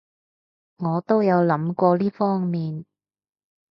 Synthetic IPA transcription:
ŋɔː˨˧t̪o˥wjɐ˨˧wlɐ˨˥mkʷɔː˧liː˥fɔː˥ŋmiː˨˧n

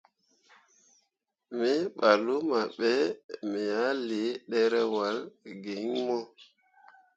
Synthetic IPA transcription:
mi˦ɓa˨lu˦ma˨ɓɛ˦mɛ˨ja˦le˨˦ɗɛ˦ɾɛ˦wa˨˦lɡi˨˦ŋmɔ˦

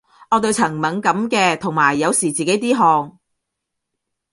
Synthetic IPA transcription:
ʔɔː˨˧t̪̬ɵ˧wt͡sʰɐ˨˩ŋmɐ˨˥ŋkɐ˨˥mkɛː˧t̪ʰʊ˨˩ŋmaː˨˩jːɐ˨˧wsiː˨˩t͡siː˨ke˨˥jt̪iː˥ɦɔː˧ŋ

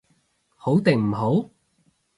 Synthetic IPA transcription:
ho˨˥wt̪ɪ˨˩ŋm̩˨˩ɦo˨˥w

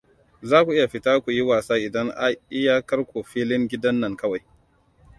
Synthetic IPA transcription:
zaː˦kʷu˨ʔɪ˦ja˨ɸɪ˦taː˦kʷu˨ji˦waː˨saː˦ʔɪ˨dɐ˦ŋʔa˦ʔɪ˦jaː˦kɐ˦rkʷoː˨ɸiː˦lɪ˦ŋɡʲɪ˦dɐ˦nːɐ˨ŋkɐ˦wa˨j

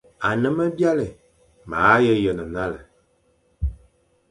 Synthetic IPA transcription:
a˨nɨ˦mə˦bi˦a˦lɪ˨ | maː˨˦jə˦jə˨nɨ˨na˦lə˨

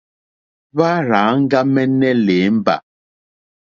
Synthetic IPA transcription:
βa˦ɾaː˨˦ŋ̩˦ɡa˦mɛ˦nɛ˦le˨˦m̩˦ba̰˨

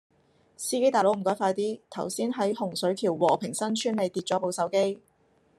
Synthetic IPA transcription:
siː˥ke˥jt̪aː˨jlo˨˥m̩˨˩kɔː˨˥jfaː˧jt̪iː˥t̪ʰɐ˨˩wsiː˥nɦɐ˨˥jhʊ˨˩ŋsɵ˨˥ɥk̪ʰiː˨˩wwɔ̰ː˨˩pʰɪ˨˩ŋsɐ˥nt͡ʃʰyː˥nle˨˧jt̪iː˧t̚t͡ʃɔː˨˥po˨˧wsɐ˨˥wke˥j

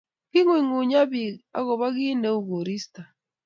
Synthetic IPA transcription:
ki˦ŋwi˨ŋu˨ɲa˦bi˨a̰˦ɣɔ˨βa˦ɣi˦ne˦u˨ɣo˨ɾi˦sta˨

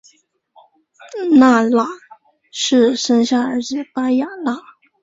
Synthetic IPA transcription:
na˥˩la˥˩ | ʂɻ̩˥˩ʂə˥ŋɕja˥˩ə˞˧˥t͡sɹ̩˨˩pa˥ja˨˩la˥˩

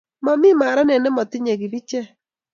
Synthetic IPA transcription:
mɔ˨mi˦ma˨ɾa˦nɛ˨nɛ˦mɔ˨tɪ˦ɲe˨ɣi˨bi˦t͡ʃɛ˦

